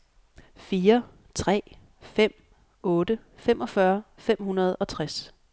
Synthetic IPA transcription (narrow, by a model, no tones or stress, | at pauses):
fiːɐ | t͡sʰʁɛ̰ː | fem̰ | ɔ̽ːd̥əfemʔɒ̽fɶɐfem̰hunɐð̞ˠɒ̽t͡sʰʁas